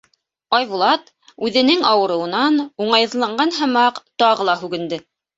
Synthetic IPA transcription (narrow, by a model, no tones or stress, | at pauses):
ɑjβulˠɑt̪ | ʉðɘ̆nɘŋɑwɤ̆ɾɤ̆wɤ̆nɑnuɴɑjɤðlˠɑɴɢɑnɦɤ̆mɑqt̪ɑʁɤ̆lˠɑhʉɡɘ̆nd̪ɘ